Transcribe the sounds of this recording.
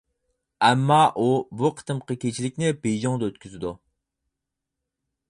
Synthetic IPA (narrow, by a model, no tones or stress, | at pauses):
ɛmːɑʔubuqʰə̥t̪ɨmqʰəkʲʰet͡ʃʰilɪk̚ʲnɪbed͡ʒoŋd̪ɑøt̪kʲʰyzɪd̪u